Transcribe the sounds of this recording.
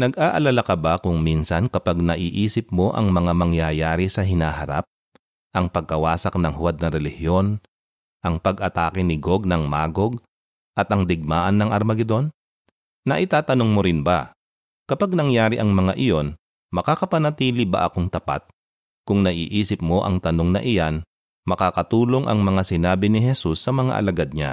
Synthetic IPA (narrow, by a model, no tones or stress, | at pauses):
nɐɡʔaːʔɐlalakɐbakʊŋminsɐnkɐpaɡ̚nɐʔiːʔiːsɪp̚mo̞ʔɐ̰ŋmɐŋamɐŋjajaːɾisɐɦɪnaːɦɐɾa̰p̚ | ʔɐŋpɐɡ̚kɐwaːsɐk̚nɐŋhʊwad̪̚nɐɾɛlɪhjo̞n | ʔɐŋpɐɡʔɐt̪aːkɪnɪɡoɡ̚nɐŋmaːɡo̞ɡ̚ | ʔɐt̪ʔɐŋd̪ɪɡ̚maːʔɐnːɐŋʔɐɾmɐɡɛd̪o̞nː | ɐʔɪt̪aːt̪ɐno̞ŋmoɾɪnbɐ̰ | kɐpaɡ̚nɐŋjaːɾɪʔɐŋmɐŋaʔɪjo̞n | mɐkaːkɐpɐnɐt̪iːlɪbɐ̰ʔɐkoŋt̪ɐpa̰t̪̚ | kʊŋnɐʔḭːʔiːsɪp̚mo̞ʔɐ̰ŋt̪ɐnoŋnɐ̰ʔɪjan | mɐkaːkɐt̪uːlo̞ŋʔɐ̰ŋmɐŋasɪnaːbɪnɪɦɛsusːɐmɐŋa̰ʔɐ̰lɐɡad̪̚ɲa̰